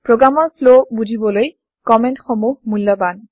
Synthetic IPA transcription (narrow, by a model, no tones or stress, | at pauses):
pɹoɡɹamɔɹfʰlobud͡ʒʱibɔloj | kɔmɛntxomuhmulːɔban